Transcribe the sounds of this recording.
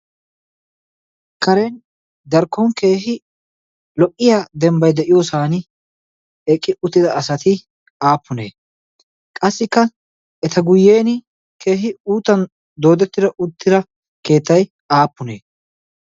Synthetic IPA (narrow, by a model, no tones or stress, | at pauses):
kɐɾen | d̪ɐɾkːɔŋke̞ːɦɪ | lɔʔʼːɪjaːd̪ɛmbɐjd̪ɛʔɪjoːsaːnɪ | ɛkʼːɪʔʊt̪ːɪd̪ɐːsɐt̪ɪ | aːpːʊne̞̰ː | kʼɐsːɪkːɐ | ɛt̪ɐɡʊjːe̞ːnɪ | kʰe̞ːɦɪuːt̪ːɐn | d̪o̞ːd̪ɛt̪ːɪd̪ɐʔʊt̪ːɪd̪ɐ | ke̞ːt̪ːɐj | aːpːʊne̞ː